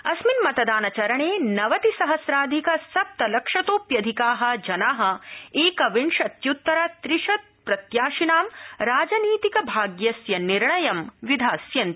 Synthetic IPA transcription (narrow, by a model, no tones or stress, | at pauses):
ɐsminmɐt̪ɐd̪aːnɐt͡ʃɐɾɐɳeːnɐʋɐt̪isɐɦɐsɾaːd̪ʱikɐsɐp̚t̪ɐlɐkʂɐt̪oːpjɐd̪ʱikaːɦɐ̆d͡ʒɐnaːɦɐ̆eːkɐʋiɳʃɐt̪jut̪ːɐɾɐt̪ɾiʂɐt̪̚pɾɐt̪jaːʃinaːmɾaːd͡ʒɐniːt̪ikɐbʱaːɡjɐsjɐniɾɳɐjɐmʋid̪ʱaːsjɐnt̪i̥